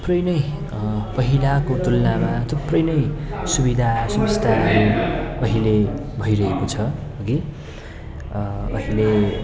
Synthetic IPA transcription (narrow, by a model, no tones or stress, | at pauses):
t̪u̥prʌjnʌj | pʌɦilakod̪ulnamat̪ʰuprʌjnʌjsubid̪ʱasʌmst̪ʰaɦʌɾuʌɦilebʱʌiɾʌɦekot͡sʰʌɦoɡi | ʌ̰ɦile